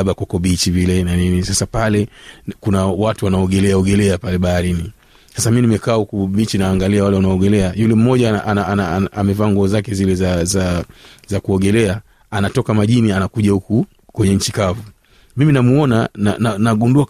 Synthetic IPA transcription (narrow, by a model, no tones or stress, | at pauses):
aɓakakɔɓit͡ʃivilɛnaninisasapalɛkunawatuwanaɔɡɛlɛaɔɡɛlɛapalɛɓahaɾini | sasaminimɛkaːhukuɓit͡ʃinaːŋɡaliawalɛwanaɔːɡɛlɛajulɛm̩mɔʄaanaanaamɛvaːŋɡɔzakɛzilɛzazazakuɔɡɛlɛa | anatɔkamaʄinianakuʄahuku | kwɛɲɛɲ̩t͡ʃikavu | miminamuɔnanananaɡundua